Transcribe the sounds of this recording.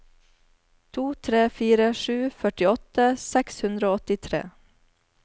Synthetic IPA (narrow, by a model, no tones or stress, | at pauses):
t̪ʰuːt̪ʰɾeːfiːɾəʃʉːfœʈɪɔt̪əsɛkshʉnd̪ɾəoːɔt̪ɪt̪ʰɾḛː